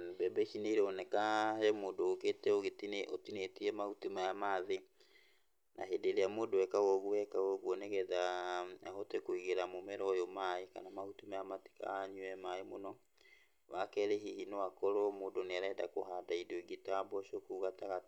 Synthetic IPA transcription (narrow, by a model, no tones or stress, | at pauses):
nbɛbeʃineiɾeonɛkahemoːdoːketɛoɣetineotinetiɛmahutimajamaðe | na̰ɦedeɾeamoːdowɛkaɣɔɣuwɛkawɔɣwɔneɣɛðaaɦotekoiɣeɾamomɛɾɔjomaeka̰namahutimajamati̥ka̰ɲuɛmaemonɔ | wakɛɾeɦihinoakɔɾomoːndoneaɾɛda̰koɦadaidoiɡitabɔʃokuːɣataɣa